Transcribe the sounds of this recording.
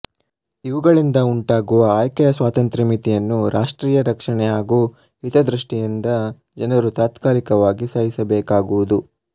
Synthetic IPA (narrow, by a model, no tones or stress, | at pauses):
iʋuɡɐɭind̪ɐuɳʈaːɡuʋɐaːjkɛjɐsʋaːt̪ɐnt̪ɾɐmit̪ijɐnːuɾaːʂʈɾiːjɐɾɐkʂɐɳɛjaːɡuː | ɦit̪ɐd̪ɾiʂʈijind̪ɐ | d͡ʒɐnɐɾut̪aːt̪kaːɾikɐʋaːɡisaːjisɐbɛːkaːɡuʋud̪u